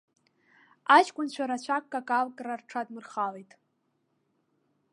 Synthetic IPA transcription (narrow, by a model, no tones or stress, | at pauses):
at͡ʃʼkʷʼʊnt͡ɕʷʰaɾat͡ɕʷʰakʼːakʼalkʼrarʈ͡ʂʰadmɨrχalejtʼ